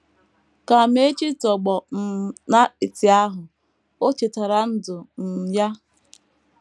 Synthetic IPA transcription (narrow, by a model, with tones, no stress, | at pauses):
ka˨m˦e˦t͡ʃi˦tɔ˨ɡ͡bɔ˨na˦i˨ti˨a˦ɦʊ˨ | o˦t͡ʃe˨ta˨ɾa˨n̩˦dʊ˨n̩˨ja˦